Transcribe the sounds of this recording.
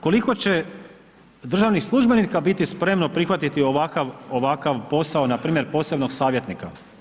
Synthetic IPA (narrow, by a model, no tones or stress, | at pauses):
ko̞liko̞t͡ɕe̞ | d̪r̩ʒaʋnixslˠuʒbe̞nikabit̪ispɾe̞mno̞pɾixʋat̪it̪io̞ʋakaʋo̞ʋakaʋpo̞saonapɾiːmjeɾpo̞ːse̞bno̞ɡsaːʋje̞t̪nika